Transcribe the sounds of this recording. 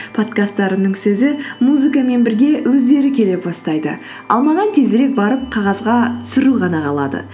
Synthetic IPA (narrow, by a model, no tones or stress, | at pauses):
pʰo̞t̪kast̪ːɑɾənəɴsɵzɪmuzɨkame̞nbɪɾɡʲe̞wɵzd̪e̞ɾɪkʲʰe̞le̞pbɑst̪ɑjd̪ə̰ | ɑ̰lˠmɑʁɑnt̪ʰe̞zɾe̞k̚bɑɾəp̚qʰɑʁɑzʁɑt̪ʰʏ̥sɪɾuʁɑnɑʁɑlˠɑ̰d̪ə̰